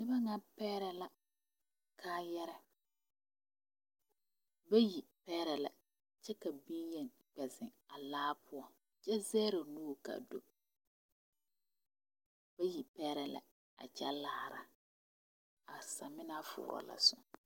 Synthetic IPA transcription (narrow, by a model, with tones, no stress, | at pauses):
nɪ˦ba˦ŋa˦pɛː˦ɾɛ˦la˦ | kʰaː˦jɛ˦ɾɛ˨ | ba˦ji˨pɛː˦ɾɛ˨la˨ | t͡ʃɛ˦ka˨biː˦jɛ˨n | k͡pɛ˨zɪ˨ŋa˨laː˦pʰʊ˦ɔ˦ | t͡ʃɛ˦zɛː˦ɾa˨noː˦˨ka̰˨do˨ | b̥a˦ji˨pɛː˦ɾɛ˨la̰˨ | a̰˨t͡ʃa˦laː˦ɾa̰˨ | a˨sa˨mɪ˦na˦fʊ̰ː˨ɾɔ̰˨la̰˨sʊ˨ŋ